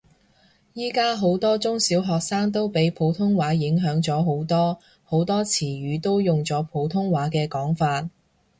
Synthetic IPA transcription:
jiː˥kaː˥ɦo˨˥wt̪ɔː˥t͡sʊ˥ŋsiː˨˥wɦɔː˨k̚saː˥ŋt̪̬o˥wpe˨˥jpʰo˨˥wt̪ʰʊ˥ŋwaː˨˥jɪ˨˥ŋɦœː˨˥ŋt͡sɔː˨˥ɦo˨˥wt̪ɔː˥ | ho˨˥wt̪ɔː˥t͡sʰiː˨˩ɥyː˨˥t̪o˥wjʊ˨ŋt͡sɔː˨˥pʰo˨˥wt̪ʰʊ˥ŋwaː˨˥kɛː˧kɔː˨˥ŋfaː˧t̚

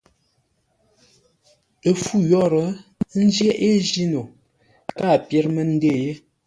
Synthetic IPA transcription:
e˨fu˦jɔ˦˨ɾə˨˦n̩˦d͡ʒje˦ʔe˦d͡ʒi˦no˨ | ka˦˨pjɛ˦ɾmə˦n̩˦de˦˨je˦

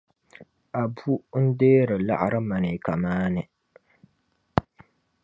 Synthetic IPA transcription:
a˨bu˦n̩˦deː˦ɾɨ˨la̰˦ʔa̰˨ɾɨ˦ma˨nɨ˨ka˨maː˦nɨ˨

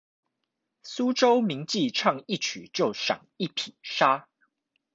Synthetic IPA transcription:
su˦ʈ͡ʂo˦ʊmi˨˥ŋt͡ɕi˥˨ʈ͡ʂʰɑ˥˧ŋi˥˨t͡ɕʰy˨˩˦t͡ɕjo˥˩ʊʂɑ̰˨˩ŋi˥˩pʰi˨˩nʂa˥

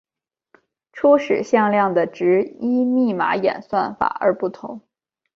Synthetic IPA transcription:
ʈ͡ʂʰu˥ʂɻ̩˨˩ɕjɑ˥˧ŋljɑ˥˩ŋd̪ə˩ʈ͡ʂɻ̩˧˥i˥mi˥˩ma̰˧˥jɛ̰˨˩nswa˥˩nfa̰˨˩˦ə̰˞˧˥pu˥˩t̪ʰʊ̰˧˥ŋ

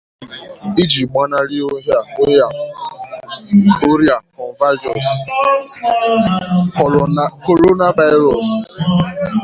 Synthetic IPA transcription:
i˦d͡ʒi˨ɡ͡ba˦na˦ɾi˦o˦ɦja˦˨˦a˨ | o˦ɾja˨kɔ̃˨n˨va˦d͡ʒɔ˨s | ko˨ɾo˦na˦va˦jɾɔ˨s

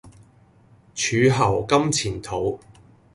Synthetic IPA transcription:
t͡ʃʰyː˨˧ɦɐ˨˩wkɐ˥mt͡sʰiː˨˩nt̪ʰo˨˧˥w

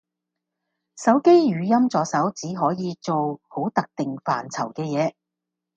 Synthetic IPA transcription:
sɐ˨˥wke˥jjyː˨˧jɐ˥mt͡sɔː˨˧sɐ˨˥wt͡siː˨˥ɦɔː˨˥jiː˨˧t͡so˨who˨˥wt̪ɐ˨k̚t̪ɪ˨ŋfaː˨˩nt͡sʰɐ˨˩wkɛː˧jɛː˨˧

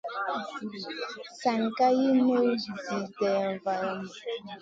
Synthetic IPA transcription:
sa˨ŋ˨ka˦ji˦no˦zi˨dɛ˨va˨m˨

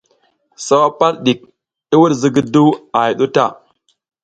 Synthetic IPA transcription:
sa˦wa˦pa˦ɾɗi˨k̚ | i˦wu˦ɾzi˨ɡi˦du˦a˨ji˨ɗu˦ta˦˨

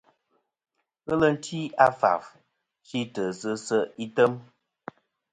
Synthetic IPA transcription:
ɣə˦lə˦n̩˦tʰi˦a˦fa̰˨f | t͡ʃi˦tə˨sə˦sə˦i˦tə˦m

